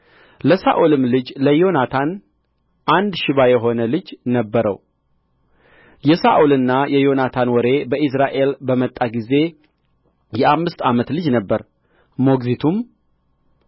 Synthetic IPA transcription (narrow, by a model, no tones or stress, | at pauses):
ləsaʔulɨmlɨd͡ʒləjo̞nat̪ʰan | ʔand̪ʃɪβajɛɦo̞nəlɨd͡ʒnəbːəɾə̰w | jɛsaʔulɨnːajɛjo̞nat̪ʰanwɔɾe̞bəʔɪs̬ɾaʔe̞lbəmət̪ʼːaɡize̞ | jɛʔamːɨst̪amət̪lɨd͡ʒnəbːəɾ | mo̞ɡzit̪ʰum